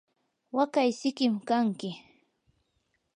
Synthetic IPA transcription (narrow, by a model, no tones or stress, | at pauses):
wakajsɪkɪmkaŋkɪ